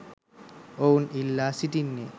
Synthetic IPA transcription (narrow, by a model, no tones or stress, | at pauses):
ownilːasiʈinːe